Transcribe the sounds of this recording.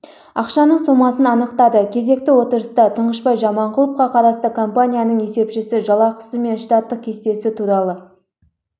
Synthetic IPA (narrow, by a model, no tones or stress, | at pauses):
ɑqʃɑnəɴso̞mɑsənɑnəqt̪ɑd̪əkʲʰe̞ze̞k̚t̪ɪwo̞t̪əɾəst̪ɑt̪ʰəɴʁəʃpɑjʒɑmɑɴqʊlˠəp̚qɑqʰɑɾɑst̪əkʰo̞mpanʲijanəɴe̞se̞pʃɪsɪʒɑlˠɑqʰə̥səme̞nʃt̪ɑt̪ːəq̚kʲʰe̞st̪e̞sɪt̪ʰuɾɑlˠə